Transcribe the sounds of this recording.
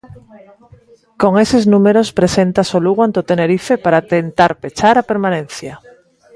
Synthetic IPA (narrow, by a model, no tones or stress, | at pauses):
ko̞ŋeseznũmeɾospɾe̞se̞nt̪asoluɣwant̪ot̪ene̞ɾifepaɾat̪ent̪aɾpet͡ʃaɾapeɾmãnẽn̟θja